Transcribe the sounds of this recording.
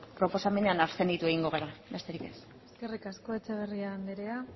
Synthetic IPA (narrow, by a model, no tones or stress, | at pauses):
pɾo̞po̞same̞ne̞anaɾse̞nd̪it̪ue̞ɣ̞iŋɡo̞ɣ̞eɾabe̞st̪e̞ɾike̞s | eske̞rikasko̞e̞t͡seβ̞e̞riand̪eɾea